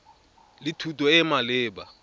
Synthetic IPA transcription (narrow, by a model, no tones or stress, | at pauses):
lɪtʰutʼɔɛmalɪːba̰